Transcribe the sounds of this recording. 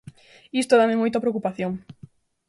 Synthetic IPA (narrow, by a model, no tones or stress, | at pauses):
ist̪oðamemojt̪apɾeokupaθjoŋ